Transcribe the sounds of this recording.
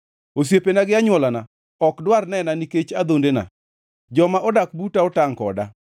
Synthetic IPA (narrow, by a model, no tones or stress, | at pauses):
os̬jepenaɡɪaɲwɔlana | ɔkdwarnɛnaniket͡ʃad̪ondena̰ | d͡ʒɔmaʔɔdak̚butaɔtaŋkɔ̰da̰